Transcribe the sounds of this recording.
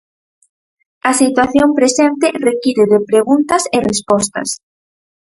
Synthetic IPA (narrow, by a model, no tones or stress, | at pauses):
ɐsit̪waθjompɾesɛnt̪ɪrekiɾɪðepɾeɣunt̪ɐserespɔst̪ɐ̰s